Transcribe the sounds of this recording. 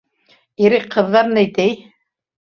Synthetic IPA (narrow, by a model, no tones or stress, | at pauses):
iɾɘq̚qːɤ̆ðːɑɾnɘjt̪ɘj